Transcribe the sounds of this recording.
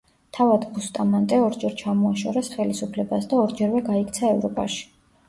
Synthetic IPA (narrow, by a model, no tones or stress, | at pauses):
t̪ʰavad̪bust̪ʼamant̪ʼɛɔɾd͡ʒɛɾt͡ʃʰamɔaʃɔ̰ɾɛsχɛlisupʰlɛbasd̪aɔɾd͡ʒɛɾvɛɡaik̚ʰt̪sʰaɛvɾɔpʼa̰ʃi̥